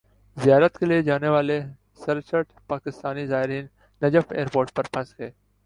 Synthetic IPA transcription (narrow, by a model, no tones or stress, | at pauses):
zijaːɾət̪kelied͡ʒaːneʋaːle | sɐɾt͡ʃəʈpaːkɪst̪aːnizaːɦɪɾiːnː | ɐd͡ʒəfeːɾpoːɾʈ̚pɐɾpʰɐ̃nsɡeː